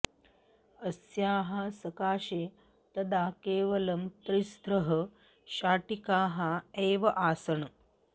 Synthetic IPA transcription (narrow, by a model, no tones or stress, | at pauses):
əsjaːɦasɐkaːɕe | t̪ɐd̪ʱakeːʋɐlɐmtɾist̪ɾəɦɐ | ɕaːʈikaːɦaeːʋɐʔaːsɐɳ